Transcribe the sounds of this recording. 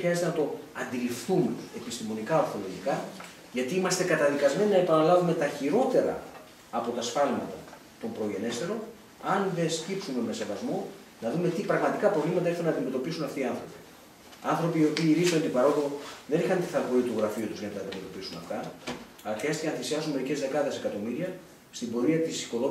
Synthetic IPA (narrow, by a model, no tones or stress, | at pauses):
xɾiɐzet̪enɐt̪o̞ɐnd̪ilifθumee̞pist̪imo̞nikɐoɾθo̞lo̞ʝikɐ | ʝɐt̪iimɐst̪e̞kɐt̪ɐðikɐzme̞ninɐe̞pɐnɐlɐvume̞t̪ɐçiɾo̞t̪e̞ɾɐ̰ː | po̞t̪ɐsfɐlmɐt̪ɐ | t̪o̞mpɾo̞ʝe̞ne̞st̪e̞ɾo̞n | ɐnðe̞sc̪ipsume̞me̞se̞vɐzmo̞ | nɐðume̞t̪ipɾɐɣmɐt̪ikɐpɾo̞vlimɐt̪ɐexθunɐnd̪ime̞t̪o̞pisunɐft̪iɐnθɾo̞pi̥ | ɐnθɾo̞piːo̞piːɾisont̪ipɐɾo̞ɣooðe̞nixɐnt̪iθɐlɣoit̪uɣɾɐfiut̪uzʝɐnɐt̪ɐːnd̪ime̞t̪o̞pisunɐ̰ft̪ɐ | ɐlɐxɾiɐst̪icenɐθisiɐsunme̞ɾice̞zðe̞kɐðe̞se̞kɐt̪o̞miɾiɐ | st̪imbo̞ɾiɐt̪isi̥ko̞ðo